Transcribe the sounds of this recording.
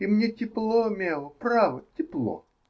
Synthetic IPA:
imnʲetʲɪplˠomʲelˠəpɾavətʲɪplˠo̰

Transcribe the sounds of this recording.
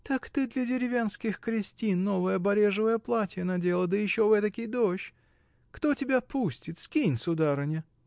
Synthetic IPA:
t̪akt̪ɨd̪lʲɐdʲɪɾʲɪvʲenskʲɪxkɾʲɪsʲtʲinːo̞vəjəbɐɾʲe̞ʐɨvəjəplˠatʲɪjənɐdʲe̞lˠəd̪əjɪɕːovɛt̪əkʲijd̪oɕ | kt̪otʲɪbʲapusʲtʲɪt̪skʲinʲsʊd̪aɾənʲɪ

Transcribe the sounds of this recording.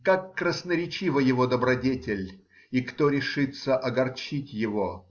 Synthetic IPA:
kakːɾəsnəɾʲɪt͡ɕivəjɪvod̪əbɾɐdʲetʲɪlʲ | ikt̪oɾʲɪʂɨt̪səʔɐɡɐrt͡ɕitʲjɪvo

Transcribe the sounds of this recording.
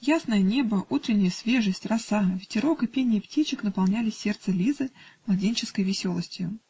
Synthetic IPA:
jasnəjənʲe̞bəʔut̪ɾʲɪnʲːɪjəsʲvʲe̞ʐəsʲtʲrɐsavʲɪtʲɪɾo̞kɨpʲenʲɪjɪptʲit͡ɕɪkn̪əpalˠnʲælʲɪe̞rt̪səlʲizɨmlˠɐdʲenʲt͡ɕɪskəjvʲɪsʲo̞lˠəsʲtʲjʊ

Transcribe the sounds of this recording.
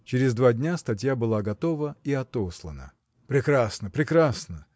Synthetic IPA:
t͡ɕɪɾʲɪzd̪vadʲnʲast̪ɐtʲjabɨlˠaɡɐt̪o̞vəiɐt̪o̞slˠə̰nə̰ | pɾʲɪkɾasnəpɾʲɪkɾasnə

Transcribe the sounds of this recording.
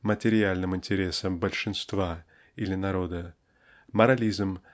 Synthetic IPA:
mətʲɪɾʲɪalʲnɨmɪnʲtʲɪɾʲe̞səmbəlʲʂɨnst̪va | ilʲɪnɐɾo̞d̪ə | mɐɾɐlʲizm

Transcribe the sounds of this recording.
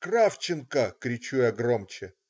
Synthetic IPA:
kraft͡ɕɪnkəkɾʲɪt͡ɕujaɡromt͡ɕɪ

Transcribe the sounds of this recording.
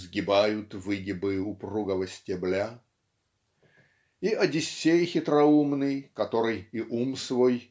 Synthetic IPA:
zɡʲɪbajʊt̪vɨɡʲɪbɨjʊpruɡəvəsʲtʲɪblʲa | iʔɐdʲɪsʲːejxʲɪt̪ɾɐumnɨjkɐt̪o̞ɾɨjiʔumsvoj

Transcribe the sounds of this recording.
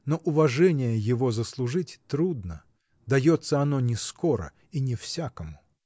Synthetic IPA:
noʔʊvɐʐɛnʲɪjəjɪvo̞zəslˠʊʐɨtʲt̪ɾud̪nə | d̪ɐjot̪səɐnonʲɪsko̞ɾə̰ | inʲɪfsʲakəmʊ

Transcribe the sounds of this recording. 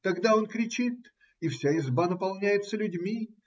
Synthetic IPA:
t̪ɐɡd̪ao̞nkɾʲɪt͡ɕit̪ | ifsʲaɪzbanəpɐlˠnʲæjɪt̪səlʲʉdʲmʲi

